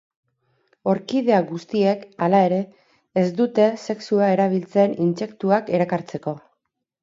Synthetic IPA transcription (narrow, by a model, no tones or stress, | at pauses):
o̞ɾkið̞e̞aɣust̪ie̞kalae̞ɾe̞ː | zd̪ut̪e̞se̞ksuae̞ɾaβ̞ilt͡se̞ninse̞kt̪uake̞ɾakaɾt͡se̞ko̞